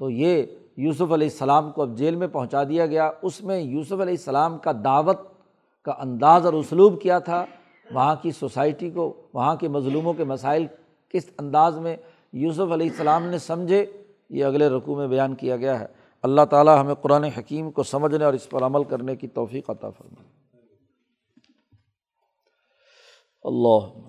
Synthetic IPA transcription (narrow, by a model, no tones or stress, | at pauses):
t̪oje | juːsʊfɐlɛːsːɐlaːmkoɐb̚d͡ʒeːlmẽpɐɦʊ̃t͡ʃad̪ijaɡɐjaʊsmẽjuːsʊfɐlɛːsːɐlaːmkad̪aːʋət̪̚ | kaʔɐ̃nd̪aːzɔːɾʊsluːbkijat̪ʰa | ʋɐɦãkisosaːɪʈikoʋɐɦãkemɐzluːmõkemɐsaːɪl | kɪsɐ̃nd̪aːzmẽ | juːs̬ʊfɐlɛːɪsːɐlaːmnesɐ̃md͡ʒʱe | jeɐɡleɾʊkumẽbɐjaːnkijaɡɐjaɦɛ̰ː | ɐlːaɦt̪aːlaɦɐmẽqʊɾaːneɦɐkiːmkosɐməd͡ʒʱneɔːɾɪspəɾɐməlkɐɾnekit̪ɔːfiːqɐt̪a̰fɐ̰ɾma̰ːe | ɐ̰lːɑːɦ